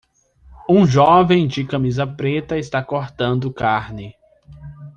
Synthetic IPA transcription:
ũʒɔvẽj̃d͡ʒɪkɐ̃mizɐpɾet̪ɐɪst̪akoɾt̪ɐ̃nd̪ʊkaɾnɪ

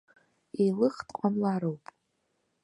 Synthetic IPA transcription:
elɨχtqʷʼamlaɾowpʼ

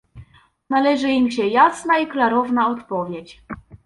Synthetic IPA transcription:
nalɛʐɘimɕɛjasnaiklaɾɔvnaɔt̪pɔvʲjɛt͡ɕ

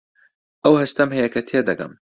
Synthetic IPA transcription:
ʔɐwhɐst̪ɐmɦɐjɐkʰɐt̪ʰeːd̪ɐɡɐ̰m

